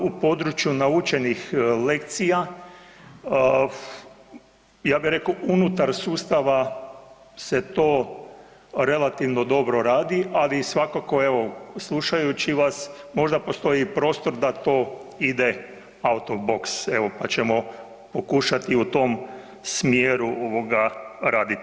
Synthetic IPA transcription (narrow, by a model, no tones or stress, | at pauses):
upo̞d̪ɾut͡ʃjunaut͡ʃe̞nixle̞kt̪sija | jaːbiɾe̞kounut̪aɾsuːst̪aʋa | se̞t̪o̞ː | ɾe̞lat̪iʋno̞d̪o̞bɾo̞ɾaːd̪iʔalisʋakako̞e̞ʋo̞slˠuʃajut͡ɕiʋas | mo̞ʒd̪apo̞st̪o̞ipɾo̞ːst̪o̞ɾd̪at̪o̞ːid̪e | aut̪obo̞kseʋo̞pat͡ɕemo̞ | po̞kuʃat̪iut̪o̞m | smjeɾuoʋo̞ɡaɾaːd̪it̪